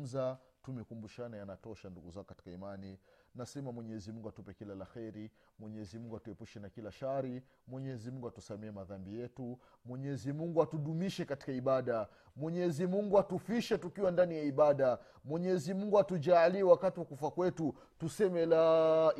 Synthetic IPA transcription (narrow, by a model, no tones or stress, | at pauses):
m̩zatumɛkumbuʃanajanatɔʃanduɡuzakɔkati̥kaimaninasɛmamwɛɲɛzimuŋɡuatupɛkilalaxɛɾi | mwɛɲɛzimuŋɡuatuɛpuʃɛnakilaʃaɾi | mwɛɲɛzimuŋɡuatusamɛɛmaðambijɛtu | mwɛɲɛzimuŋɡuatuɗumiʃɛkati̥kaiɓaɗa | mwɛɲɛzimuŋɡuatufiʃɛtukiwandanijaiɓaɗa | mwɛɲɛzimuŋɡuatud͡ʒaːliwakatiwakufakwɛtu | tusɛmɛla